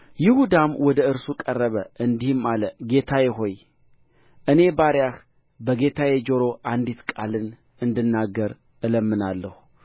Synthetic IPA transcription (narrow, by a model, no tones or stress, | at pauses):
jɪhud̪amwɔd̪əɨɾsukʼərːəβəʔɨnd̪ihmaləɡe̞t̪ʰajɛɦo̞j | ʔɨne̞baɾjax | bəɡe̞t̪ʰajɛd͡ʒoɾo̞ʔand̪it̪kʼalɨn | ɨnd̪ɨnːaɡːəɾ | ʔɨləmːɨnalːəhu